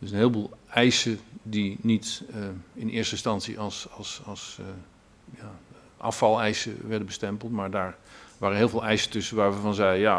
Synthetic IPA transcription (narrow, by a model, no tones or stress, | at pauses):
dəsənɦɪːlˠbuːlˠɛjsədinit | ɪnʔɪ̰ːɹstəɪnstɑnsḭʔɑlˠsɑlˠsɑs | ja | ʔɑ̰fɑlˠɛjsə̰ʋɛɹdəbəstɛmpəlˠtmaːɹdaːɹʋaːɾənɦɪːlˠvɪːlˠɛjsə̥tɵsəʋaːɹʋəvɑnzɛjja